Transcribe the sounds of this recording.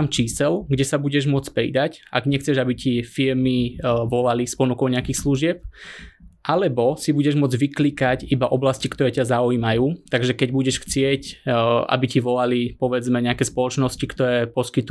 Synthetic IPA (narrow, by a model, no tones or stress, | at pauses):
amt͡ʃiːsɛlɡɟɛsabuɟɛʒmʊɔt͡spɾḭd̪acʔa̰ɡɲɛxt͡sɛʒabicifiɾmiʋɔlalispɔnukɔʊɲɛakixsluʒɪɛp̚ | ʔalɛbɔsibuɟɛʒmʊɔd͡zʋikliːkacibaʔɔblascikt̪ɔɾɛːcazauimajuːt̪aɡʒɛkɛɟbuɟɛʃxt͡sɪɛcʔa̰biciʋɔlalipɔʋɛd͡zmɛɲɛakɛːspɔlɔt͡ʃnɔscikt̪ɔɾɛːpɔskit̪u